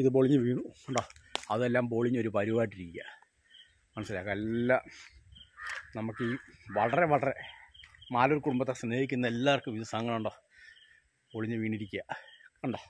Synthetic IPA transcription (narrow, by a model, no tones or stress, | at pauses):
iðɨp̬oːɭiɲːɐʋiːɳuuɳɖoːɐðelːaːmpoːɭiɲːoɾupɐɾibaːʈːiɾikʲːɐ̰ | mɐnɐsilaːkːelːaː | nɐmukːɨiʋɐɭɐreʋɐɭɐre | maːloɾkuɽumbɐt̪ːesneːhikʲːunːɐelːaːʋɐrkɨmiðɐsaːŋːɐɭuɳɖo̞ː | poːɭiɲːɨʋiːɳiɾikʲːujɐuɳɖoː